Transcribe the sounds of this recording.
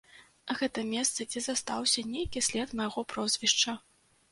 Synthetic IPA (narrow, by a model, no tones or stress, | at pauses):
ɣɛt̪ɐmʲɛst̪sɐd͡zʲɛzast̪awsʲɐnʲejkʲisʲlʲɛt̪mɐjɣɔpɾɔzʲvʲiʂt͡ʂɐ